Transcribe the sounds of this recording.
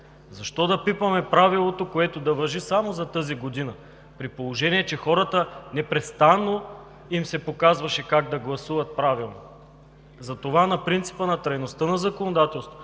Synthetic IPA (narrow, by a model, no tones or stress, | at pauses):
zɐʃt̪ɔd̪ɐpipɐmɛpɾavilˠot̪okoɛt̪od̪ɐvɐʒisamozɐt̪əziɡod̪inə | pɾipolˠoʒɛniɛt͡ʃɛxɔɾət̪ənɛpɾɛt̪st̪anːo | imsɛpokazvɐʃɛkaɡ̚d̪ɐɡlˠɐsuvɐt̪̚pɾavilˠno̰ | zɐt̪ovanɐpɾint̪si̥pənɐt̪ɾɐjnost̪ənɐzɐkonod̪at̪ɛlˠst̪vo̥